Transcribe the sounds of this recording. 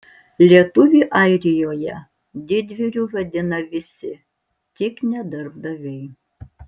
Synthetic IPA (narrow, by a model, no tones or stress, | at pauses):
lʲiɛt̪ʊʋʲiːʔɑɪɾʲɪjoːjɛ | d̪ʲɪd̪ʲʋʲɪɾʲuʋɐd̪ʲɪnɐʋʲɪsʲɪ | t̪ʲɪknʲɛd̪ɐɾb̚d̪ɐʋʲɛɪ